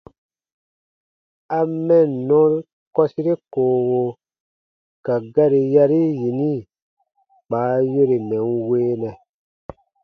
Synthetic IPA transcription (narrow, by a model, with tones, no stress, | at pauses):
a˧mɛ˦˨n˨nɔ̃˦ɾ | kɔ˦si˦ɾe˦koː˨wo˧ | ka˨ɡa˦ɾi˧ja˧ɾi˦ji˨ni˦ | k͡paː˨˦je˦ɾe˨mɛ̃˨˦nweː˦nɛ̃˨